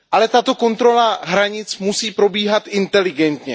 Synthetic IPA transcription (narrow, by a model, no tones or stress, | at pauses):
ʔalɛt̪at̪o̞ko̞nt̪ɾo̞laɦɾaɲɪt͡smusiːpɾo̞biːɦat̪ʔɪnt̪ɛlɪɡɛnt̪ɲɛ